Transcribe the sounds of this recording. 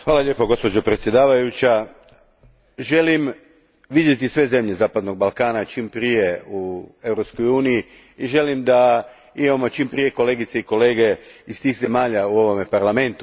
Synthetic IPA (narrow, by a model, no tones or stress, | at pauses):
xʋaːlaʎe̞ːpoɡo̞spo̞d͡ʑopɾet̪sje̞d̪aːʋajut͡ɕa | ʒe̞lim | ʋid̪je̞t̪isʋe̞ze̞mʎe̞zaːpad̪no̞ɡ̚balˠkaːnat͡ʃimpɾije̞ue̞wɾo̞pskojuːniji | iʒe̞limd̪a | imamo̞t͡ʃimpɾije̞ko̞le̞ːɡit̪seiko̞le̞ːɡe̞ist̪iːxze̞maːʎauo̞ʋo̞mepaɾlame̞nt̪u